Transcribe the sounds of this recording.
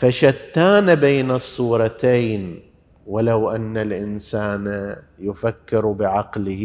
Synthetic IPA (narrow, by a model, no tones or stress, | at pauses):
faʃat̪ːaːnabeːnɨsˤːuːɾˤɑt̪ejn | walawʔanːalʔɪnsaːna | jʊfakːɪɾbɪʕɑqlɪ